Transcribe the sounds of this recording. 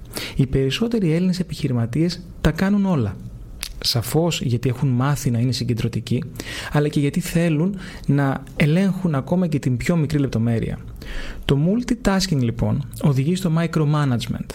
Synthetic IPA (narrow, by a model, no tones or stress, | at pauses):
ipe̞ɾiso̞t̪e̞ɾie̞line̞se̞piçiɾimɐt̪ie̞s | t̪ɐkɐnuno̞lɐ | sɐfo̞zʝɐt̪ie̞xunmɐθinɐine̞siɲɟend̪ɾo̞t̪iciɐlɐce̞ʝɐt̪iθe̞lun | nɐ | e̞le̞ŋxunɐko̞mɐce̞t̪imbço̞mikɾile̞p̚t̪o̞me̞ɾḭɐ̰ | t̪o̞mult̪it̪ɐsciŋɡlipo̞̰no̞ðiʝist̪o̞mɐikɾo̞mɐnɐd͡zme̞̰nt̪